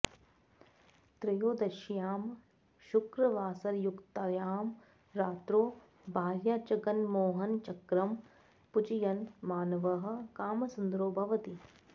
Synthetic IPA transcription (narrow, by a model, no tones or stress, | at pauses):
t̪ɾɐjoːd̪ɐʃjaːm | ʃʊkɾɐʋaːsɐɾjukt̪ɐjaːm | ɾaːt̪ɾoː | bʱaːɾjaːt͡ʃɐɡɐnmoːɦɐnt͡ʃɐkɾɐm | pʊt͡ʃijɐnmaːnɐʋɐɦɐ̆kaːmɐsund̪ɾoːbʱɐʋɐt̪i